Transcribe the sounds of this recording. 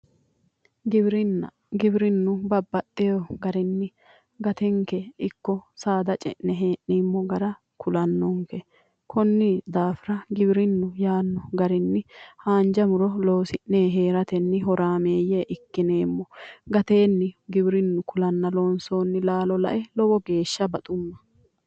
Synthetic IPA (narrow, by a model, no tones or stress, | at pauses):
ɡɪbɾɪnːɐ̰ | ɡɪbɾɪnːʊbɐbːɐt̪ʼːɛjɔɡɐɾɪnːɪ | ɡɐt̪ɛŋkɛɪkːɔsaːd̪ɐt͡ʃʼɛ̰ʔnɛɦeːʔːimːɔɡɐɾɐ | kʰʊlɐnːɔŋkɛ | kʰɔnːɪd̪aːfɪɾɐɡɪbɾɪnːʊjaːnːɔɡɐɾɪnːɪhaːnd͡ʒɐmʊɾɔloːsɪʔneːɦe̞ːɾɐt̪ɛnːɪɦɔɾaːme̞ːjeʔɪkːɪneːmːɔɡɐt̪e̞ːnːɪɡɪbɪɾɪnːʊkʰʊlɐnːɐloːnso̞ːnːɪlaːlɔlɐ̰ʔɛlɔwɔɡe̞ːʃːɐbɐt̪ʼʊmːɐ̥